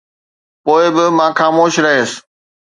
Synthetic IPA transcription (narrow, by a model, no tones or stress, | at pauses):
poːɪbɪmãːxaːmoːʃɾɐɦes̆